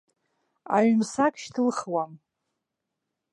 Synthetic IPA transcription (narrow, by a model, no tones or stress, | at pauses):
a̰ɥmsakʰʃtʰɨlχwam